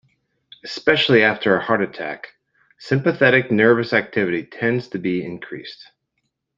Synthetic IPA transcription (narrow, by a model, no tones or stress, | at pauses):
ɨspɛʃl̩ˠiæftʰə˞ɨhɑɹɾɨtʰæ̰k | sɪ̃mpɨθɛɾɨk̚nɜ˞vɨsæk̚tʰɪvɨɾitʰɛ̃ndz̥tʰɨbiɪ̰̃nkʰɹ̥ḭst